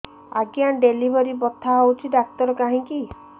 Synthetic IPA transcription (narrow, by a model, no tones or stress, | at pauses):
aɡjaɖelibʱɔɾibɔt̪ʰːaɦɔwt͡ʃʰiɖak̚t̪ɔɾɔkaɦĩki